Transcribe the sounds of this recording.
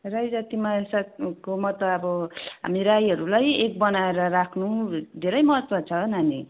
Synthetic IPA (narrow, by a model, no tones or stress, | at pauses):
rajd͡zat̪imaesakomʌt̪ʌʌbʌɦa̰miɾajɦʌɾulajek̚bʌnaeɾʌɾakʰnud̪ʱeɾʌjmʌɦʌt̪wʌt͡sʰʌnani